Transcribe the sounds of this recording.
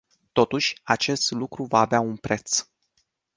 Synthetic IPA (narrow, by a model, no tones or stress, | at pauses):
t̪o̞t̪uʃʲat͡ʃe̞st̪lukɾuvaːveaunpɾe̞t̪s